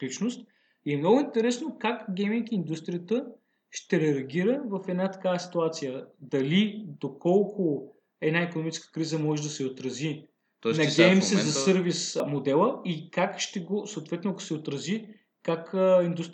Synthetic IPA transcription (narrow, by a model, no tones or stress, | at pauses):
it͡ʃnʊst̪ | iɛmnɔɡʊint̪ɛɾɛsnokakɡʲɛmiŋkind̪ust̪ɾijət̪ə | ʃt̪ɛɾɛɐɡʲiɾəvɐfɛd̪nat̪ɐ̥kavəsi̥t̪uat̪sijəd̪ɐlid̪okɔlˠkʰʊ | ɛd̪naikonomit͡ʃɛ̥skə̥kɾizəmɔʒɛd̪ɐsɛot̪ɾɐzi | nɐɡʲɛmsɛzɐsəɾvismod̪ɛlˠəikakʃt̪ɛɡosoot̪vɛt̪noko̥sɛot̪ɾɐzi | kakind̪ust̪